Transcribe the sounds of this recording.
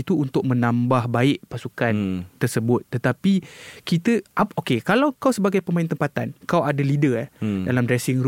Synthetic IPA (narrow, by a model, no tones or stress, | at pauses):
it̪uːnt̪ʊk̚mə̃nãmbahbaɪʔpasukant̪ərsəbʊt̪̚ːət̪apikit̪əaokekalawkawsəbaɡajpəmaɪnt̪əmpat̪ankawadalidədalamdɾɛsɪŋɾ